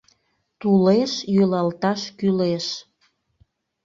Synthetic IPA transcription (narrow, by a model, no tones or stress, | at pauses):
t̪uleʃjølɑlt̪ɑʃkyleʃ